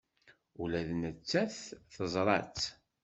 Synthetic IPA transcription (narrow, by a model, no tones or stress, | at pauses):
ulæðnət͡sːæθθəzˤɾˤɑ̰t͡sː